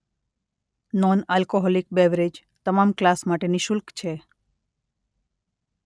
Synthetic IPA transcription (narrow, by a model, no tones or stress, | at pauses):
nɔnalkoɦɔlik̚bɛʋɾed͡ʒ | t̪əmamklasmaʈeniʃʊlkt͡ʃʰe